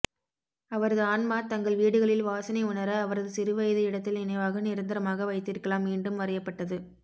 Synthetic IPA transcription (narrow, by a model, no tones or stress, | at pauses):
ɐʋɐɾɐðɯaːnmaːt̪ɐŋɡɐɭʋiːɽɯɣɐɭɪlʋaːsɐnɐɪʊnɐɾɐːʋɐɾɐðɯsɪɾɯʋɐjɐðɐɪɽɐt̪ːɪlɪnɐɪʋaːɣɐnɪɾɯnd̪ɐɾɐmaːɣɐʋɐɪt̪ːɪɾɯkːɐɭaːmʋiːɳɖɯmʋɐɾɐjɐpːɐʈːɐðɯ